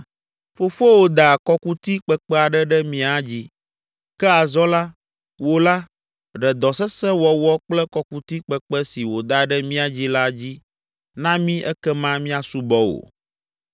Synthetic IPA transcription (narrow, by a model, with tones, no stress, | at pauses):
fo˨fo˦wo˨d̪a˨kɔ˦ku˦t̪i˦k͡pɛ˨k͡pɛ˦a˨ɖɛ˦ɖɛ˦mĩ˦a˨d͡ʑi˦ | kɛ˦a˨zɔ̃˦la˦ | wo˨la˦ | ɖɛ˨d̪ɔ˨sɛ˦sɛ˦wɔ˨wɔ˦k͡plɛ˦kɔ˨ku˦t̪i˦k͡pɛ˨k͡pɛ˦si˨wo˨d̪a˨˦ɖɛ˦mĩ˦a˨d͡ʑi˦la˦d͡ʑi˦ | nã˦mĩ˦ʔɛ˦kɛ˦mã˦mĩ˦a˨su˦bɔ˦wo̰˨